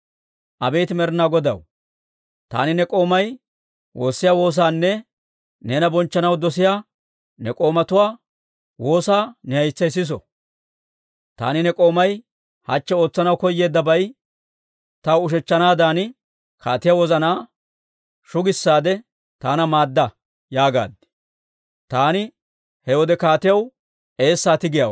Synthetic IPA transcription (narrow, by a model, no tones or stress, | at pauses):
ʔɐbeːt̪ɪmɛɾɪnaːɡɔd̪ɐ̰w | t̪a̰ːnɪnɛkʼo̞ːmɐj | wʔo̞ːsːɪjaːwo̞ːs̬aːnːɛ | nɛːnɐbɔnt͡ʃːɐnɐwd̪ɔs̬ɪjaː | nɛkʼo̞ːmɐt̪ʊwaː | wo̞ːsaːnɛhɐjt͡sːɐjs̬ɪs̬ɔ̰ | t̪a̰ːnɪnɛkʼo̞ːmɐj | hɐt͡ʃːɛo̞ːt͡sːɐnɐwkɔjːe̞ːd̪ːɐbɐj | t̪ɐwʊʃɛt͡ʃːɐnaːd̪aːnɪ | kʰaːt̪ɪjɐwɔzɐnaː | ʃʊɡɪsːaːd̪ɛ | t̪aːnɐmaːd̪ːɐ | jaːɡa̰ːd̪ɛ̥ | t̪aːnɪ | hɛwɔd̪ɛkaːt̪ɪjɐw | e̞ːsːaːt̪ɪɡɪjaw